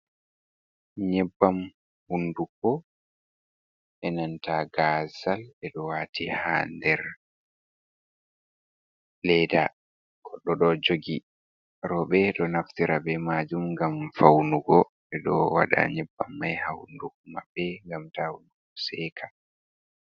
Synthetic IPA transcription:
ɲɛbːam | hundukɔ | ʔɛnantaɡaːzalɛɗɔwaːtʰihandɛɾ | lɛda | ɡ̥ɔɗːɔɗɔd͡ʒoɡi | ɾɔɓɛɗɔnaftiɾabɛmaːd͡ʒumɡamfawnuɡɔ | ɛɗɔwa̰ɗa̰ɲɛbːamːajhahundukumabɛŋɡamtahunduɡɔsɛːkʰḁ

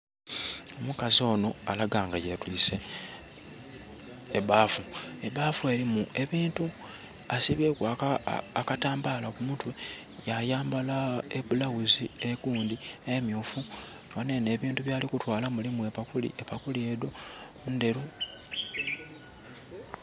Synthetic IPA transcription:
o̞mukazio̞ːno̞alaɡaːŋɡajetwiːse | βaːfue̞βaːfue̞ɾimuʔe̞βiːntu | asiβeːkwaː | kataːmbalakumutwe̞ | jajaːmbalaeβulawuzieɡuːndiemjuːfu | ane̞ne̞ːβiːntuβjaːlikutwaːlamulimue̞pakulḭʔepakulie̞do̞ | nde̞ɾu

